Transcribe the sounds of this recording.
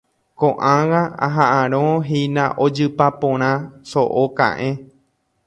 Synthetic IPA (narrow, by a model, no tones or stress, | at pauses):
kõʔãwaa̰ɦaʔãɾ̃õɦinãʔod͡ʒɨpapõɾ̃ãsoʔokã̰ʔẽ